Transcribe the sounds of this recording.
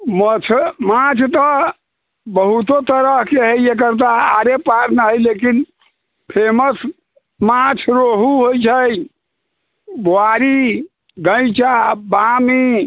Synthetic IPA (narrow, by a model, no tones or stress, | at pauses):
mət͡ʃʰmãt͡ʃʰt̪ə | bəɦut̪ot̪əɾəɦkeɦəjjek̬əɾt̪̬aːɾepaɾnəɦjlekin | pʰeməs | mãt͡ʃʰɾoɦuɦojt͡ʃʰəj | boaɾi | ɡə̃ɪ̃t͡ʃabami